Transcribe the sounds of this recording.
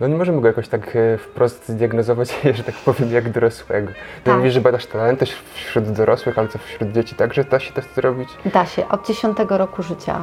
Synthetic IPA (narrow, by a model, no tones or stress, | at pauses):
nɔɲɛmɔʐɛmɘɡɔjakɔɕt̪akfpɾɔst̪zd̪ʲjaɡnɔzɔvat͡ɕʐɛt̪akpɔvʲjɛmjaɡd̪ɔɾɔswɛɡɔt̪ɔmuvʲiʐɛbad̪aʂt̪alɛnt̪ɛʂfɕɾud̪d̪ɔɾɔswɘxalɛt̪ɔfɕɾud̪̚d͡ʑet͡ɕit̪aɡʐɛd̪aɕɛ̥t̪ɛʂt̪zɾɔbʲit͡ɕd̪aɕɛʔɔd̪̚d͡ʑeɕɔ̃nt̪ɛɡɔɾɔkuʐɘt͡ɕa̰